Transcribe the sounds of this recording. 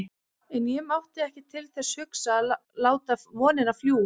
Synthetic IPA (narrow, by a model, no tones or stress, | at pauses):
ɛnjɛmawht̪ɪɛhcɪt̪ʰɪlθɛsːhʏksalaːwt̪amɔːnɪnafljuː